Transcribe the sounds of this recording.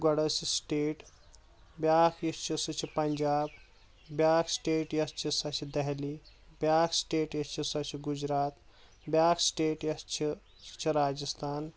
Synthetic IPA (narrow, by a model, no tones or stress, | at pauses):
ɡɐɽɐsisʈeːʈ | bjaːkʰjist͡ʃʰisɨt͡ʃʰipɐɲd͡ʒaːb | bjaːkʰsʈeːʈjɐst͡ʃʰisɐt͡ʃʰid̪ɛɦli | bʲjaːkʰsʈeːʈjɐst͡ʃʰisɐt͡ʃʰiɡud͡ʒɾaːt̪ | bjaːkʰsʈeːʈjɐst͡ʃʰi | t͡ʃʰiɾaːd͡ʒɐst̪ʰaːn